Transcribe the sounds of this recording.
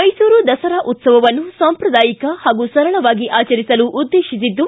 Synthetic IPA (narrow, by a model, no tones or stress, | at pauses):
mɐjsuːɾud̪ɐsɐɾaːʔut̪sɐʋɐʋɐnːusaːmpɾɐd̪aːjikɐhaːɡusɐɾɐɭɐʋaːɡiʔaːt͡ʃɐɾisɐluʔːd̪ːeːʃisid̪ːu